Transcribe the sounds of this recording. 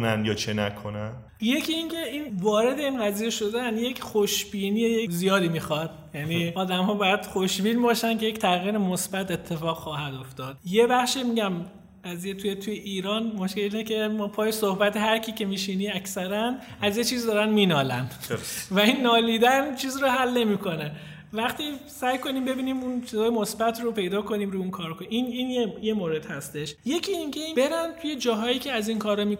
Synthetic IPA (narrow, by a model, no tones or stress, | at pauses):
nænjɒːt͡ʃʰenækʰonæn | je̞cʰiiːncʰe̞invɒːɾe̞d̪e̞iːnɢæziːje̞ʃo̞d̪ænje̞cʰχo̞ʃb̥iːniːejezijɒːd̪iːmiːxɒd̪̚ | jæniɒːd̪æmhɒːbɒːjæd̪̥χoʃbiːnbɒːʃænkʰe̞ject̪ʰæɣiːɾemosbæt̪e̞t̪ʰːe̞fɒːɣ̥xɒːhæd̪o̞ft̪ɒːd̪̥je̞bæχʃemiɟæm | ɢ̥æziːjet̪ʰːjet̪ʰujeʔiːɾɒːnmoʃkelinecʰe̞mɒːpʰɒːjesohbæt̪ʰehæɾcʰiːcʰe̞miːʃiːniæcsæɾæn | æzjet͡ʃʰiːzd̪ɒːɾænmiːnɒːlænvæinːɒːliːd̪ænt͡ʃʰiːzɾohælːe̞miːkʰo̞ne | væχt̪isæjkʰo̞niːmbe̞biːniːmunt͡ʃʰizɒːjemo̞sbæt̪ʰropʰe̞jd̪ɒːko̞niːmɾuunkʰɒːɾkoʔiniːnjejemoːɾe̞d̪̥hæst̪e̞ʃje̞cʰiiŋcʰeibe̞ɾænt̪ʰuje̞d͡ʒɒːɦɒːjiːcʰeæzinkʰɒːɾɒmi